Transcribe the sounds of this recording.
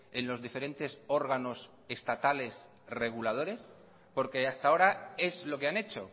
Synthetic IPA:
e̞nlo̞zðife̞ɾe̞nt̪e̞so̞ɾɣ̞ano̞s | e̞st̪at̪ale̞s | re̞ɣulað̞o̞ɾe̞s | po̞ɾke̞ast̪ao̞ɾae̞zlo̞ke̞ane̞t͡ʃo̞

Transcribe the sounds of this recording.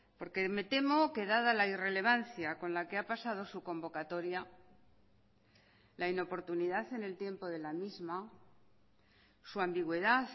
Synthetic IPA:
po̞ɾke̞me̞t̪e̞mo̞ke̞ðaðalaire̞le̞β̞anθjako̞nlake̞apasað̞o̞suko̞mbo̞kat̪o̞ɾja | laino̞po̞ɾt̪uniðaθe̞ne̞lt̪je̞mpo̞ðe̞lamizma | suambiɣwe̞ðaθ

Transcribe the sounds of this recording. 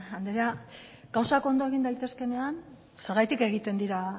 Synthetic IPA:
and̪ɾeaɡawsako̞nd̪o̞e̞ɣ̞ind̪ajt̪e̞ske̞ne̞an | se̞ɾɣajt̪ike̞ɣ̞it̪e̞nd̪iɾa

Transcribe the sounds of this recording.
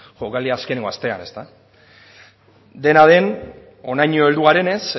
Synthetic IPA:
ʝokaliaskeneŋɡo̞ast̪e̞a̰ne̞st̪a | d̪e̞nað̞e̞n | o̞najɲoeld̪uɣaɾe̞ne̞s

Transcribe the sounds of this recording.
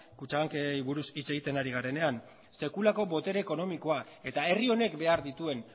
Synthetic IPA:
kut͡ʃaɣaŋkeiβuɾusit͡se̞ɣ̞it̪e̞naɾiɣ̞aɾe̞ne̞an | se̞kulako̞bo̞t̪e̞ɾeːko̞no̞miko̞a | e̞t̪ae̞rio̞ne̞kbe̞aɾðit̪ue̞n

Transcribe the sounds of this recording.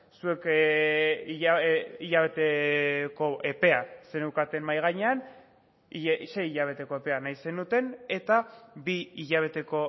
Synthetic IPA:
sue̞k | iiʎaβe̞t̪eko̞ʔe̞pe̞ase̞newkat̪e̞mmajɣ̞aɲe̞an | iʃe̞jiʎaβ̞e̞t̪e̞ko̞e̞pe̞anajse̞nut̪e̞ne̞t̪abiiʎaβ̞e̞t̪e̞ko̞

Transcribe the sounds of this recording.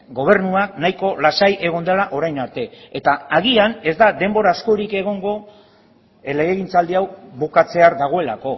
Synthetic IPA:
ɡo̞β̞e̞ɾnuaknajko̞lasajʔe̞ɣ̞o̞nd̪elaʔo̞ɾajnaɾt̪e̞ːt̪aaɣiane̞zd̪ad̪e̞mbo̞ɾasko̞ɾike̞ɣ̞o̞ŋɡo̞ | eleɣeɣint͡sald̪iawβukat͡se̞aɾðaɣ̞o̞e̞lako̞

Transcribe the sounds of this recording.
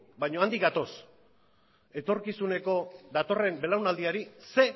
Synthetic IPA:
bajɲo̞and̪ikɡat̪o̞s | e̞t̪o̞ɾkisune̞ko̞d̪at̪o̞re̞mbe̞lawnald̪iaɾise̞

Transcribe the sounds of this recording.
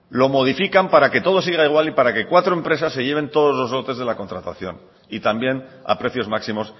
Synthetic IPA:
lo̞moðifikampaɾake̞t̪o̞ð̞o̞s̬iɣ̞aiɣ̞walipaɾake̞kwat̪ɾo̞e̞mpɾe̞sasːe̞ʝe̞β̞e̞nt̪o̞ð̞ozlo̞zɣo̞t̪e̞zð̞e̞lako̞nt̪ɾat̪aθjo̞̰n | it̪ambje̞na̰pɾe̞θjo̞zmaksimo̞s

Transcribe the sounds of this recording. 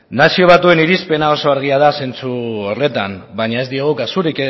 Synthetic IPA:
nasio̞β̞at̪ue̞niɾispe̞nao̞so̞aɾɣ̞iað̞ase̞nt͡suore̞t̪ambaɲae̞zd̪ioɣ̞ukasuɾike

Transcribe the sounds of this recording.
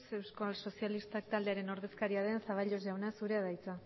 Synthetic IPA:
se̞wskalso̞sjalist̪ak̚t̪ald̪eaɾe̞no̞ɾðe̞skaɾiaðe̞nsaβaʎo̞zʝawnasuɾe̞aðajt͡sa

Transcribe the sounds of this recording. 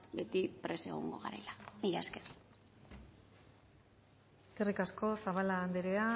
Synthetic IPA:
be̞t̪ipɾe̞se̞̰ɣ̞o̰ŋɡo̞̰ɣa̰ɾe̞̰lamiʎaeskeri | e̞ske̞rikasko̞saβalaːnd̪eɾea

